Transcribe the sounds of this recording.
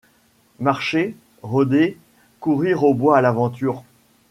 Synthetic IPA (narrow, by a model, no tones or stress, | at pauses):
maʁʃe | ʁɔd̪e | kuʁiʁobwaːlavɑ̃t̪yːʁ